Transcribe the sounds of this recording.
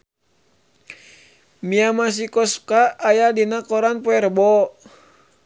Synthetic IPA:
miamas̬ikɔskaːjadinakɔɾanpɔɛrbɔ

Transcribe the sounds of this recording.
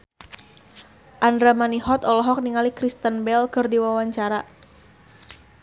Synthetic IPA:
ʔandɾamaniɦɔt̪ɔlɔɦɔk̚niŋalikɾist̪ənbɛlkɨrdiwawaɲt͡ʃaɾa

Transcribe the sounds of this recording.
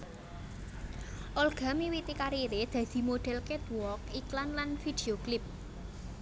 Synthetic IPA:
ʔɔlɡ̥a̤miwit̪ikaɾiɾed̪̥ä̤d̪̥i̤moɖ̪̥ɛ̤lket̪uwɔkiklanlanfid̪̥e̤oklɪp̚

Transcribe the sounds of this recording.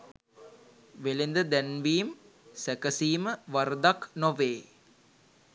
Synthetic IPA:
ʋelend̪əd̪ɛnʋiːm | sækəsiːməʋɐɾd̪aknoʋeː

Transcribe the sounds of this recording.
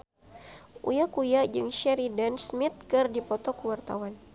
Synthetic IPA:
ʔṵjakujad͡ʒɨŋʃɛɾidansmit̪̚kɨrdipɔt̪ɔkəwart̪a̰wan

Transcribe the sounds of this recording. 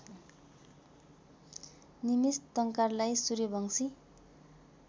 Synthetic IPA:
nimist̪ʌŋkarlajsuɾibʱʌŋsi

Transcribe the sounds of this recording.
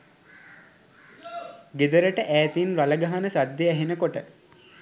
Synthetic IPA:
ɡed̪əɾəʈəʔæːt̪inɾaləɡaɦanəsad̪jeæɦenəkoʈə

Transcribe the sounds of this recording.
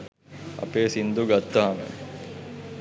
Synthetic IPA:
ɐ̰peːsind̪uɡat̪ːaɦamə̰

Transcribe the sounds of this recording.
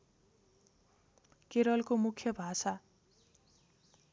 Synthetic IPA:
keɾʌlkomukʰjʌbʱasa

